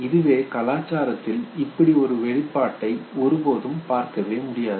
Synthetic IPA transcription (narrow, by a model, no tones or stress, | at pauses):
ɪðɯʋeːkɐlaːt͡ʃːaːɾɐt̪ːɪlɪpːɐɽiɔɾɯʋɛɻɪpːaːʈːɐɪɔɾɯboːðɯmpaːɾkɐʋeːmʊɽɪjaːðɯ